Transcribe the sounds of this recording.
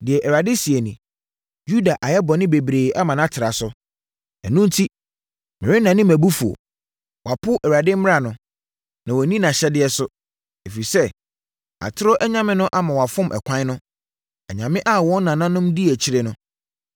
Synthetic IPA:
dɪ˨ɛ˨ʔɛ˨wa˨dɪ˦si˨e˨nĩ˨ | ju˦da˨ʔa˨jɛ˦bɔ˨nɪ̃˦be˨bɾeː˨a˦mã˨nã˦tʰɪ˨ɾa˨sʊ˦ | ɛ̰˨nũ˦n̩˦tʰi˦ | mɪ̃˨ɾɪ˦nã˨nɪ̃˦mæ˨bu˦fu˨o̰˨ | wa˨pʰʊ˦ʔɛ˨wa˨dɪ˦m̩˦mɪ˦ɾa˦˨nʊ̃˦ | nã˨wɔ˨nĩ˦nã˨ɕɛ˦dɪ˨˦ɛ˦sʊ˦ | e˨fi˨sɛ˦ | a̰˨tʰɪ˦ɾɔ˦ʔɛ˦ɲã˦˨mɪ̃˦nʊ̃˦ʔa˨mã˨wa˨fʊ̃˦mʔɛ̰˨kʷʰã˦nʊ̃˦ | ɛ˨ɲã˨mɪ̃˦ʔa˦wɔ̃˦n˦nã˨nã˦nʊ̃˦mdi˦ɛ˨t͡ɕʰi˦ɾe˦nʊ̃˦

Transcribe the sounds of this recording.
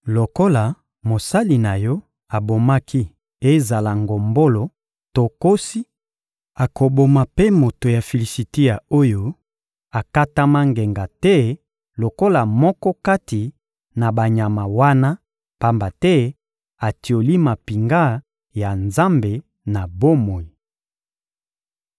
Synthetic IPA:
lo˨ko˦la˨ | mo˨sa˦li˨na˨jɔ˦ | a˨bo˨ma˦kʰi˦ | e˦za˨la˨ŋɡo˨mbo˦lo˨ | to˨ko˦si˦ | a˨ko˨bo˨ma˨pe˦mo˨to˨ja˨fe˨li˨si˨te˦ja˨o˦jo˨ | a˨ka˦ta˦ma˦ŋɡe˨ŋɡa˨tɛ˦ | lo˨ko˦la˨mɔ˦kɔ˦ka˦ti˨ | na˨ba˨ɲa˨ma˨wa˦na˦ | pa˦mba˨tɛ˦ | a˨ti˨o˨li˦ma˨pi˨ŋɡa˦ | ja˨nza˦mbe˨ | na˨bo˦mo˨i˨

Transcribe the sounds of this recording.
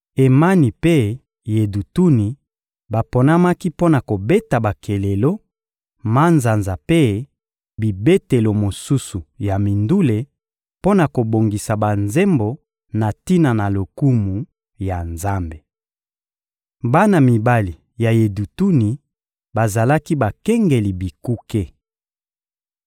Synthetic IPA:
e˨ma˦ni˨pe˦ | je˨du˨tu˦ni˨ | ba˨po˨na˦ma˦ki˦po˦na˨ko˨be˦ta˨ba˨kʰe˨le˨lo˦ | ma˦nza˨nza˨pe˦ | bi˨be˦te˨lo˨mo˨su˦su˨ja˨mi˨ndu˦le˨ | po˦na˨ko˨bo˨ŋɡi˨sa˨ba˨nze˦mbo˨ | na˨ti˦na˨na˨lo˨ku˦mu˨ | ja˨nza˦mbe˨ | ba˦na˨mi˨ba˦li˨ | ja˨je˨du˨tu˦ni˨ | ba˨za˨la˦ki˦ba˨kɛ˦ŋɡe˨li˨bi˨ku˦ke˦

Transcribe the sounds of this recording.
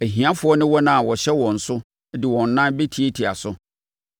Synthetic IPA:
æ˨ɦĩ˨ã˦fʊ˨˦ɔ˦nɪ̃˦wɔ˦nã˦˨wɔ˨ɕɛ˦wɔ̃˨n̩˨sʊ˦ | dɪ˨wɔ̃˨nː˨ã˦nbe˦tʰi˨e˦tʰi˨a̰˨sʊ˦

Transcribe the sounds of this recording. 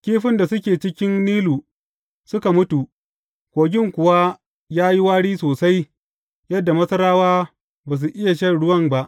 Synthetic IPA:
kʲiː˦ɸɪ˦nda˨sʊ˦kʲeː˨t͡ʃɪ˦kʲɪ˦nːiː˦luː˨ | sʊ˦ka˨mʊ˦tu˨ | kʷoː˨ɡʲɪ˦ŋkʷʊ˨wa˦ | jaː˦ji˦waː˦ɽiː˦soː˨sa˦j | jɐ˦dːa˨mɐ˦sɐ˦ɾaː˦waː˦ | baː˨s̬u˨ʔɪ˦ja˨ʃ̬ɐ˦ɽʊ˦wɐ˦mba˦ʔ

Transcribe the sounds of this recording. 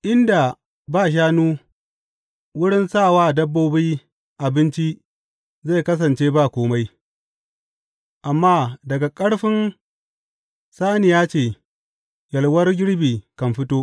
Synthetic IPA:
ʔɪ˦nda˨ | baː˦˨ʃ̬aː˦nuː˦ | wʊ˦ɽɪ˦nsaː˦˨waː˦dɐ˦bːoː˦bi˦ | ʔa˨bɪ˦nt͡ʃi˦ | za˦˨kɐ˦s̬ɐ˨nt͡ʃeː˦baː˦˨kʷoː˦ma˦j | ʔa˨mːaː˦dɐ˨ɡa˨kʼɐ˦ɽɸɪ˦n | saː˦nɪ˨jaː˦t͡ʃeː˦˨ | jɐ˨lwɐ˦rɡʲɪ˦ɽbiː˨kɐ˨mɸɪ˦toː˦

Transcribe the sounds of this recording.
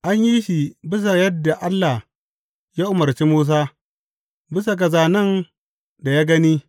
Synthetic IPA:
ʔa˦ɲji˦ʃi˨bɪ˦s̬a˨jɐ˦dːa˨ʔa˦lːa˨h | jaː˦ʔʊ˨mɐ˨ɾt͡ʃi˦muː˦s̬aː˦ | bɪ˦s̬a˨k̬ɐ˨zaː˨nɐ˦˨n | da˨jaː˦ɡɐ˦niː˦

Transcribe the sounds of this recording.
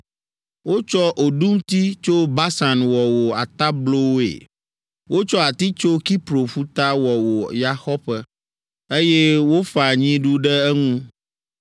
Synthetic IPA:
wo˦t͡ʃɔ˦ʔo˨ɖu˦mt̪i˦t͡ʃo˦ba˦sa˨nwɔ˨wo˨a˨t̪a˦blo˦wḛ˨ | wo˦t͡ʃɔ˦a˨t̪i˦t͡ʃo˦ki˦pɾo˨ɸu˦t̪a˦wɔ˨wo˨ja˦xɔ˦ɸɛ˦ | e˦jɛ˦wo˦fa˨ɲĩ˦ɖu˦ɖɛ˦ɛ˦ŋũ˦

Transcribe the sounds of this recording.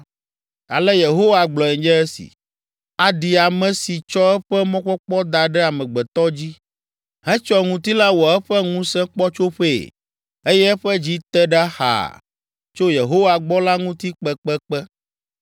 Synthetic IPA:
a̰˨lɛ˦je˨ɦo˦wa˨ɡ͡blɔ˨ɛ˨d͡ʒɛ˦ɛ˦sḭ˨ | a˨ɖi˨a˨mɛ̃˨si˨t͡ʃɔ˦ɛ˦ɸɛ˦mɔ̃˦k͡pɔ˦k͡pɔ˦d̪a˨ɖɛ˦a˨mɛ̃˨ɡ͡bɛ˨t̪ɔ˦d͡ʑi˦ | ɦɛ̃˦t͡ʃɔ˦ŋũ˦t̪i˦la˦wɔ˨ɛ˦ɸɛ˦ŋũ˦sɛ̃˦k͡pɔ˦t͡ʃo˦ɸḛ˦˨ | e˦jɛ˦ɛ˦ɸɛ˦d͡ʑi˦t̪ɛ˦ɖa˦ha̰˨ | t͡ʃo˦je˨ɦo˦wa˨ɡ͡bɔ˦la˦ŋũ˦t̪i˦k͡pɛ˦k͡pɛ˦k͡pɛ˦

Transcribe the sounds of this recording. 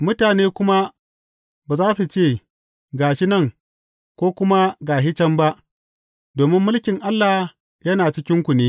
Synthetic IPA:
mʊ˦taː˨neː˦kʷʊ˦ma˦ | baː˨zaː˦su˨t͡ʃeː˦˨ | ɡaː˨ʃɪ˦nɐ˦˨ŋ | kʷoː˦kʷʊ˦ma˦ɡaː˨ɦɪ˦t͡ʃɐ˦mba˦ʔ | doː˨mɪ˦mːʊ˦lkʲɪ˨ŋʔa˦lːa˨ | jɐ˦naː˨t͡ʃɪ˦kʲɪ˦ŋkʷu˨neː˦

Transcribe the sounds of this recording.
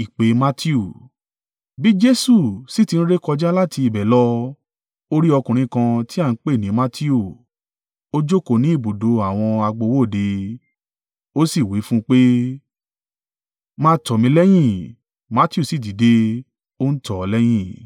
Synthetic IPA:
i˨k͡pe˨˦ma˦tʰi˦u˦˨ | bi˨˦d͡ʒe˦su˦˨si˨˦ti˧n̩˦ɾe˦kɔ˧d͡ʒa˦la˦ti˧i˧˨bɛ˨lɔ˦ | o˦ɾi˦ɔ˧kũ˨ɾ̃ĩ˨˧˦kã˧ti˦a˦˨n̩˦k͡pe˦˨nĩ˨˦ma˦tʰi˦u˦˨ | o˦d͡ʒo˦ko˦˨nĩ˨˦i˦˨bo˨do˨˦a˨w̃ɔ̃˧a˧ɡ͡bo˧wo˦˨de˨˧ | o˦si˦˨wi˨˦fũ˦k͡pe˦ | mãː˧tɔ˨mĩ˧˦lɛ˦j̃ĩ˦˨ | ma˦ti˦u˦˨si˨di˨˦de˧ | o˦n̩˦tʰɔ˨˧lɛ˦j̃ĩ˦˨

